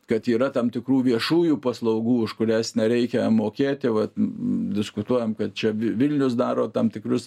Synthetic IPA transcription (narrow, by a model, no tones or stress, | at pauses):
kɐt̪iːɾɐt̪ɐmt̪ʲɪkruːʋʲiɛʃuːjuːpɐslˠɐʊɡuːʊʃkʊɾʲæsnʲɛɾʲɛɪkʲɛmoːkʲeːt̪ʲɪʋɐt̪d̪ʲɪskʊt̪uɔjɛmkɐt̪̚t͡ʃʲɛʋʲʋʲɪlʲnʲʊsd̪ɑːɾoːt̪ɑmt̪ʲɪkrʊs